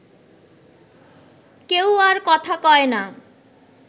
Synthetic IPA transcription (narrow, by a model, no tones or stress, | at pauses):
kewaɾkɔt̪ʰakɔena